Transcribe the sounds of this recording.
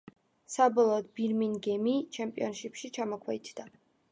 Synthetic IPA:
sabɔlˠɔːd̪̚biɾminɡɛmit͡ʃʰɛmpʼiɔnʃipʃit͡ʃʰamɔkʰwɛit̪ʰd̪a

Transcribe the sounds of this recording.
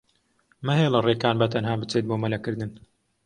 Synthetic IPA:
mɐɦeːlɐreːkaːnbɐt̪ɐnɦaːbɨt͡seːt̪̚boːmɐlɐkɨɾd̪ɨn

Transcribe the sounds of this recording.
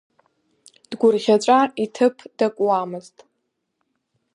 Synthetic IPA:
d̥ɡʷʊrʁʲat͡ʃʷʼaitʰɨpʰd̥akʷʼwamɨztʼ

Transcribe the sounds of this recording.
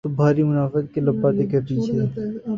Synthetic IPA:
t̪obʱaːɾimʊnaːfət̪kelɐbːat̪ekɐɾpiːt͡ʃʰeː

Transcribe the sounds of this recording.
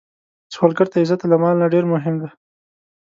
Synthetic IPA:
swɑlɡəɾt̪aɪzat̪alamɑlnaɖeɾmʊɦɪmd̪e

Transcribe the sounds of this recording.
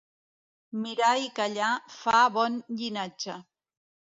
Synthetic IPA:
mɪɾajkaʎafabonʎɪnat͡ʃa

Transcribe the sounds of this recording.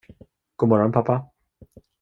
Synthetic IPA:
ɡ̥omɔɾɔnpʰapʰa

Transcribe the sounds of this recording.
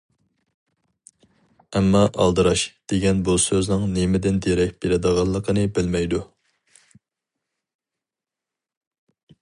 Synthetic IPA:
ɛmːɑʔɑ̰lˠd̪ɨɾɑʃd̪̥eɡʲɛnbusøznɨŋnemɪd̪ɪnd̪eɾɛk̚ʲb̥eɾɪd̪əʁɑlˠːəqʰənɨbɪlmɛjd̪u

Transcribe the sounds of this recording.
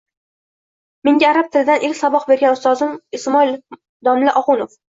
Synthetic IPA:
meŋɡʲaːɾap̚t̪ʰɪlɪd̪anʔelʲsabɒqbe̞ɾɡʲanʊst̪ɒzɪmɪsmɒil | d̪ɒmlɪʔɒʁʊnof

